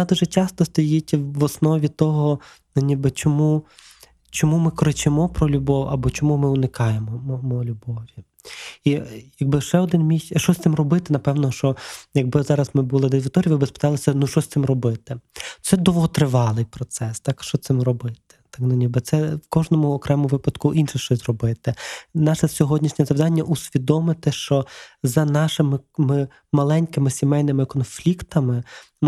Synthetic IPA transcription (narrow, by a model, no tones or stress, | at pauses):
nɐd̪uʒɛt͡ʃʲɑst̪ɔst̪ɔjitʲʋɔsnɔʋʲit̪ɔɦɔ | nʊnʲibɪt͡ʃɔmu | t͡ʃɔmumɪkɔɾɪt͡ʃemɔpɾɔlʲubɔwɐbɔt͡ʃɔmumɪʊnɪkɑjemɔmmɔlʲubɔʋʲi | ijɐɡ̚bɪʃɛɔd̪ɪnmʲiʃʃt͡ʃɔsʲt̪ɪmrɔbɪt̪ɪnɐpɛwnɔʃt͡ʃɔjɐɡ̚bɪzɑɾɐsmɪbulˠɪd̪ɛzʲʋʲɪt̪ɔɾʲiʋɪbɪspɪ̥t̪ɑlˠɪsʲɐnuʃt͡ʃɔsʲt̪sɪmrɔbɪt̪ɪt̪ɛd̪ɔʋɔɦɔt̪ɾɪʋɑlˠɪjpɾɔt̪sɛst̪ɑkʃt͡ʃɔt̪ɪmrɔbɪt̪ɪ̥t̪ɑknʊnʲibɪt̪sɛwkɔʒnɔmʊɔkɾɛmɔʋɪpɐd̪kʊʔinʃɪʃt͡ʃɔzʲzrɔbɪt̪ɪnɑʃɛsʲɔɦɔdʲnʲiʃnʲɛzɐʋd̪ɑnʲːɐʔusʲʋʲid̪ɔmɪt̪ɪʃt͡ʃɔzɐnɑʃɪmɪmɪ | mɐlˠɛnʲkɪmɪsʲimɛjnɪmɪkɔnflʲikt̪ɐmɪ | m